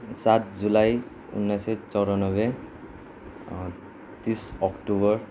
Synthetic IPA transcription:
sat̪̚ʰd͡zulaj | ṵnːajsɔt͡sɔwɾɔnɔbe | t̪isɔkʈubɔɹ

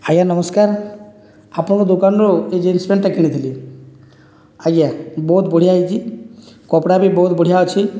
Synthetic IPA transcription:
ajanɔməskaɾ | apnɔkɔd̪ukanɾoed͡ʒinsibeɳʈːakinit̪ʰili | aɡabɔɦut̪bɔɽ̤ijaɦid͡ʒʰikɔpɽabʱibɔɦut̪bɔɽ̤ijaot͡ʃʰi

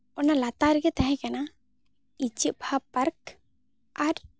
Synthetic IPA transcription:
ɔnalat̪aɾɡɛt̪aɦɛ̃kana | it͡ʃiʔ̚bʱapəɾk | aɾ

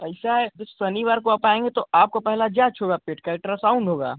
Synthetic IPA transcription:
pɐɪsaɛd͡ʒɐbsɐniʋaːɾkoɐpaːẽːŋɡet̪oʔaːp̚kopɛɦlad͡ʒaːt͡ʃʰɦoːɡaːpeːʈkəlʈɾasãʊ̃nɖɦoːɡa̰ː

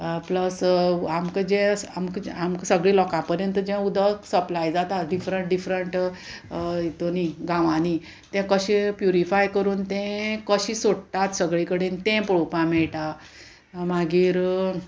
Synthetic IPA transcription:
pləsamkəd͡ʑɛ̃amkamkəsəɡɭiːlɔkãpəɾjənt̪̬əd͡ʑɛ̃ud̪əsəplajd͡zat̪aɖifɾəɳʈ̚ɖifɾəɳʈ | it̪oniɡãʋãni | t̪ɛ̃kəɕĩpjuɾifajkəɾuːnt̪ɛ̃kəɕĩsoɽt̪at̪səɡɭikəɽent̪ɛ̃pɽopãmɛɭʈa | maɡiːɾ

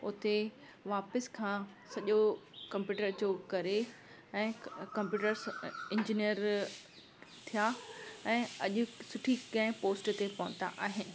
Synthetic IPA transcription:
ʊt̪e | ʋaːpəskʰãː | sɐʄokɐ̃mpjuːʈəɾd͡ʑoːkɐɾe | ɛ̃ːkɐ̃mpjuːʈəɾsɪ̃ɲd͡ʑinijəɾ | t̪ʰijaɛ̃ːɐʄʊ̆sʊʈʰikɐ̃ɦɪ̃poːsʈt̪epɐʋə̃nt̪a̰ʔaːɦɪnɪ̆

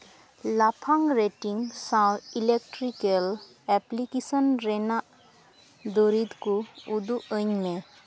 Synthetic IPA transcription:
lapʰaŋɾeʈiŋsãilek̚ʈɾikel | ɛplikisɔnɾenaʔ | d̪oɾit̪kuud̪uʔəɲme

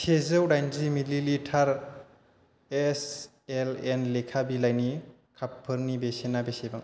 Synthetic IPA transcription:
sezɯwɾajnzimililitʰaɾ | es | elenlekʰabilajni | kʰapʰːɯɾnibesenabesebaŋ

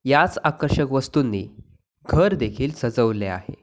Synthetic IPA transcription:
jat͡sakəɾɕəkʋəst̪unːḭː | ɡʱəɾd̪ekʰiːlsəd͡zəʋlea̰hḛ

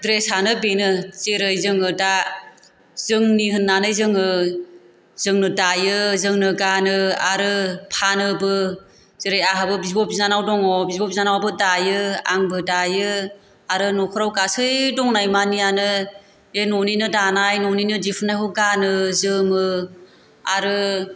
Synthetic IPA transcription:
dɾesanɯbenɯt͡ʃeɾɯjzɯŋɯda | zɯŋniɦɯnːanɯjzɯŋɯ | zɯŋnɯdajɯzɯŋnɯɡanɯaɾɯpʰanɯbɯ | z̥eɾɯjaɦabɯbizbɔp̚iznanawdɔŋɔbizbɔp̚inanawabɯdajɯa̰ŋbɯdajɯ | aɾɯnɔkʰɔɾawkasɯjdɔŋnajmanijanɯ | enɔninɯdanajnɔninɯdipʰɯnːajɦuɡanɯzɯmɯ | aɾɯ

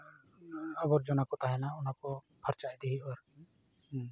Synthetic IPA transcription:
əbɔɾd͡ʒɔnakɔt̪aɦɛnaʊnakɔ | bʰəɾt͡ʃajd̪ɛɦiɔɾ

